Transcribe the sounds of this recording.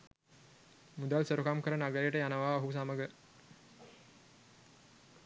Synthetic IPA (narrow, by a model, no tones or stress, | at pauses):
mud̪alsəɾukamkəɾanaɡəɾejəʈəjanəʋaːoɦus̬aməɡə